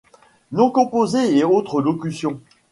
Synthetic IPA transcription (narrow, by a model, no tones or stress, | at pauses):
nɔ̃kɔ̃pozeeot̪χəlokʲysjɔ̃